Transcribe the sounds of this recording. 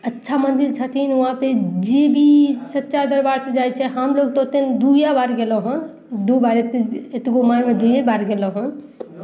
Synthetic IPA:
ətːʃʰamənd̪iɾt͡ʃʰət̪ʰinʋuɦãped͡ʒebʱisətːʃad̪əɾbaɾsẽd͡ʒajt͡ʃʰɛɦəmloɡt̪ot̪end̪ujabaɾɡeləɦũn | d̪ubaɾet̪et̪ɡomaɾmẽd̪ujabaɾɡeləɦũn

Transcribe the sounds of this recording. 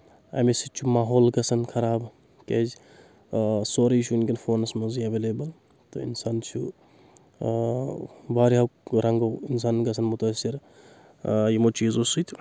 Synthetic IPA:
ɐ̰mesit͡ʃʰumaːɦoːlɡɐsɐnkʰɐɾaːb | kez | soːɾiːt͡ʃʰunkʲinfoːnɐsmɐziɐʋeːlebɐl | t̪o̰ḭnsaːnt͡ʃʰu | baːɾiɦɐkɾɐŋɡɐwins̬aːnɡɐs̬ʰɐnmʊt̪ɐsiɾ | jimot͡ʃiːzosɨt̪ʲ

